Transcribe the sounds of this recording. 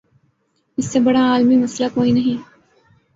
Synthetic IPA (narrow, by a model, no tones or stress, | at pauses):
ɪsːebɐɽaaːlmimɐslakoːinɐɦĩː